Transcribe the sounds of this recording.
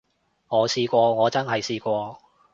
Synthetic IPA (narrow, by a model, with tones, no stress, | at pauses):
ŋɔː˨˧siː˧kʷɔː˧ŋɔː˨˧t͡sɐ˥nɦɐ˨jsiː˧kʷɔː˧